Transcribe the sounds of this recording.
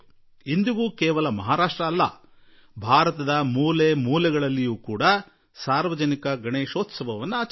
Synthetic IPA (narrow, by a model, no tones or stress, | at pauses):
ind̪iɡuːkɛːʋɐlɐmɐɦaːɾaːʂʈɾɐːlːɐ̰ | bʱaːɾɐt̪ɐd̪ɐmuːlemuːlɛɡɐɭɐlːijuːkuːɽɐ | saːɾʋɐd͡ʒɐnikɐɡɐɳeːʃoːt̪sɐbʱɐʋɐnːuaːt͡ʃ